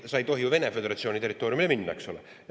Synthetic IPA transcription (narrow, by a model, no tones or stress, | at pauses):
sɑjt̪o̞ɦijuve̞nefe̞d̪e̞ɾɑt̪sionit̪e̞rːˑit̪ːˑoɾjumileminːɑ̰eksolḛ